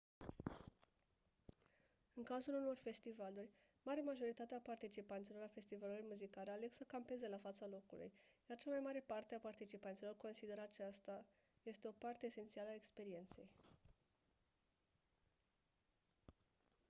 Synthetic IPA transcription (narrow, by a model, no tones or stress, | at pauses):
ɨŋkazuluno̞rfe̞st̪ivalurʲ | maɾemaʒo̞ɾit̪at̪eapart̪it͡ʃipant̪silo̞rlafe̞st̪ivalulurʲmuzikaleale̞ksəkampe̞ze̞lafat̪salo̞kṵlṵjjart͡ʃamajmaɾe̞part̪eapart̪it͡ʃipant̪silo̞rko̞nsid̪e̞ɾat͡ʃast̪a | je̞st̪e̞o̞part̪e̞ːse̞nt̪sialəae̞kspe̞ɾie̞nt̪se̞̰j